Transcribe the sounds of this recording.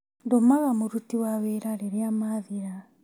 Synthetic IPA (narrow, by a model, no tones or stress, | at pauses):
ndomaɣamoɾutiwaweɾaɾeɾeamaðiɾa